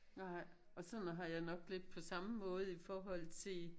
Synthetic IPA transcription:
nɑ̈ɪ̰ | ɒ̽sɒ̽nɦɑ̈jɑ̈ɪnɒ̽ɡ̥le̝d̥̚pʰɒ̽sɑ̈məmɔ̽ːð̞̩ˠifɒːɦɒ̽l̰t͡sʰe̝

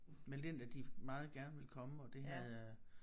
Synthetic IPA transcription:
mend̥end̥æd̥imɑ̈ːð̞̩ˠɡ̥æɐnəʋe̝lkʰɒ̽məɒ̽d̥e̝ɦæðˠ

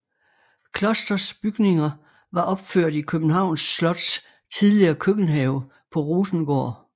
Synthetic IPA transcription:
kʰlɒsd̥ɐsb̥yɡ̥ne̝ŋɐ | ʋɑ̈ʔɒ̽b̥føɐ̰d̥ikʰøb̥n̩ɦɑ̈ʊ̰nsːlɒ̽d̥s | t͡sʰiðˠliɐːkʰøɡ̥n̩ɦɛʊ | pʰɒ̽ʁuːsn̩ɡ̥ɒ̰ː

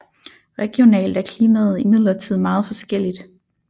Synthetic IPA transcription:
ʁɛɡ̥io̝nɛ̰ːld̥æɐkʰliːmɛð̞̩ˠimið̞̰ˠlɐt͡sʰið̞̰ˠmɑ̈ːð̞̩ˠfɒ̽sɡ̥el̰id̥

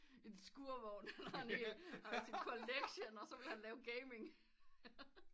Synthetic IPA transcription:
ensɡ̥uɐʋɒnnænihsikʰoleɡ̥ɕonɒ̽sɒ̽ʋe̝lhænlɛːʊɡ̥eɪme̝ŋ

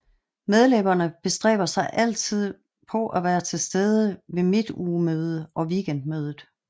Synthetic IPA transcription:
með̞ˠlebɐnəb̥e̝sd̥ʁɛ̰ːb̥ɐsɑ̈ɪʔæl̰t͡sʰið̞̰ˠ | pʰɒ̽ʔæʋæːɐt͡sʰe̝lsd̥eːð̞ˠəʋe̝mid̥uːmøːð̞ˠəʔɒ̽ʋiɡ̥end̥̚møːð̞ˠð̩ˠ

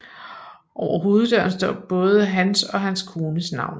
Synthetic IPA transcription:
ʔɒʊ̰ɐɦo̝ːð̞̩ˠd̥ɶɐnsd̥ɒ̰ːb̥ɔ̽ːð̞ˠəɦænsɒ̽ɦænskʰo̝ːnəsnɑ̈ʊ̰n

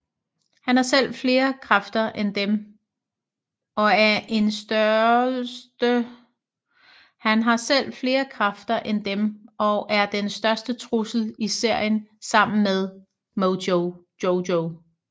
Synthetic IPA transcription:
hænæɐsel̰fle̝ːɐkʰʁafd̥ɐʔend̥em | ɒ̽æɐʔe̝nsd̥ɶ | d̥ə | hænɦɑ̈sel̰fle̝ːɐkʰʁafd̥ɐʔend̥emɒ̽ʔæɐd̥ensd̥ɶɐsd̥ət͡sʰʁusl̩ise̝ɐ̰jənsɑ̈m̰n̩með̞ˠ | moʊ | oʊoʊ

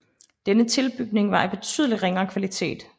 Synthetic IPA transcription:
d̥enət͡sʰe̝lb̥yɡ̥̚ne̝ŋʋɑ̈eb̥e̝t͡sʰy̰ðˠəliʁeŋɐːkʰʋælit͡sʰe̝̰ːd̥

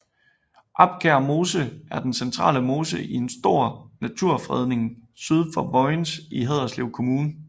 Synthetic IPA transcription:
ʔɑ̈b̥ɡ̥ʰæɐmo̝ːsəæɐd̥ensent͡sʰʁɑ̰̈ːləmo̝ːsəʔie̝nsd̥o̝ɐ̰næt͡sʰuɐ̰fʁɛð̞ˠne̝ŋsyð̞ˠfɒ̽bɒɪnsiɦɛð̞ˠɐsliʊ̰kʰo̝muːnə

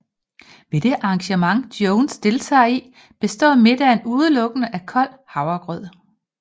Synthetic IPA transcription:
ʋe̝d̥e̝ʔɑ̈ːŋɕəmɑ̈ŋd̥joʊnsd̥e̝lt͡sʰɛ̰ːi | b̥e̝sd̥ɒ̰ːme̝d̥æe̝nuːð̞ˠəlɔ̽ɡ̥ənəʔækʰɒ̽l̰ | hɑ̈ʊɐɡ̥ʁœð̰ˠ

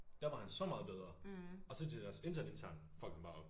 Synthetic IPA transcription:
d̥æɐʋɑ̈hænsɒ̽mɑ̈ːð̞̩ˠbeð̞ˠʁɐɒ̽sɒ̽ded̥æɐse̝nt͡sʰæɐnent͡sʰæɐ̰nfɒkʰɑmb̥ɑ̈

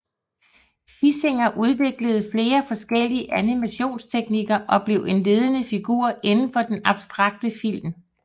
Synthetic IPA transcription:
fise̝ŋɐʔuð̞ˠʋe̝ɡ̥ləð̞̩ˠfle̝ːɐfɒ̽sɡ̥el̰iəʔænimæɕo̝̰ːnst͡sʰeɡ̥niɡ̥ɐʔɒ̽b̥le̝ʊe̝nle̝ːð̞ˠənəfiɡ̥uɐ̰ʔe̝nn̩fɒ̽d̥enɑ̈b̥sd̥ʁɑ̈ɡ̥̚d̥əfil̰m

